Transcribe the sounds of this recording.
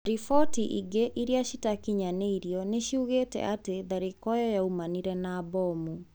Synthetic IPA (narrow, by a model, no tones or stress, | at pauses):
ɾifɔtiʔiɡeʔiɾiaɕitakiɲaneiɾjɔneʃuɣetɛ̰ateðaɾikɔjɔjaumaniɾɛnaːbɔmu